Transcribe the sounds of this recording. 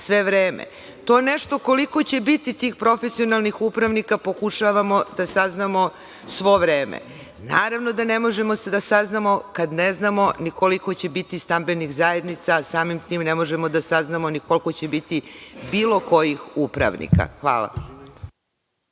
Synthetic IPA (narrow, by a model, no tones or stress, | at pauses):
sʋe̞ʋɾeːmḛ | t̪o̞eneʃt̪o̞ko̞liko̞t͡ɕe̞bit̪it̪iːxpɾo̞fesio̞nalˠnixupɾaʋnikapo̞kuʃaʋamo̞d̪asaznamo̞ | sʋo̞ʋɾeːmḛ | naːɾaʋno̞d̪ane̞mo̞ʒemo̞sed̪asaznamo̞kad̪neznamo̞nikoliko̞t͡ɕebit̪ist̪ambe̞niɣzaje̞d̪nit̪sasaːmimt̪iːmnemo̞ʒemo̞d̪asaznamoniko̞lko̞t͡ɕebit̪ibiːlo̞ko̞jixupɾa̰ʋnḭka̰xʋa̰ːla̰